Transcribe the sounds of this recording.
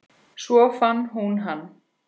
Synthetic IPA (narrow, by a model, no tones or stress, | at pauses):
svɔfanːɦunɦanː